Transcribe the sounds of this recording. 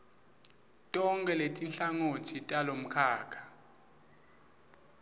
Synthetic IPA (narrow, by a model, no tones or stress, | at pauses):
tʼɔŋkʼɛletʼinɬaŋotʰitʼalom̩kʰaːkʰḁ